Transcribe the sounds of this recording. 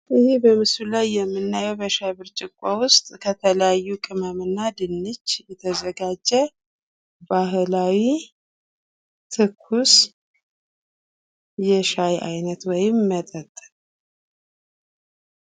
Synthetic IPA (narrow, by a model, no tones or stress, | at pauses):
ʔɨhibəmɨsulajːɛmːɨnːajɛwbəʃajbɨɾt͡ʃʼɪkʷʼːowʊst̪ʼkʰət̪ʰələjajːukʼɨməmɨnːad̪ɨnːɨt͡ʃːjɛt̪ʰəzəɡad͡ʒːɛ | baɦlawi | t̪ʰɨkʰːus | jɛʃajʔa̰jnət̪wɔjɪmːət̪ʼət̪ʼː